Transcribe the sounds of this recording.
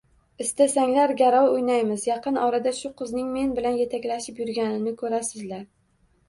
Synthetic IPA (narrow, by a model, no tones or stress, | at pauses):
ɪst̪asaŋlaɾɡʲaɾɒwʊjnajmɪzjɑqʰɨnʔɒɾad̪aʃʊqɨznɪŋme̞nbɪlanje̞t̪ʰakʲlaʃɪpjʊɾɡʲanɪnɪkʰɵɾasɪzlaɾ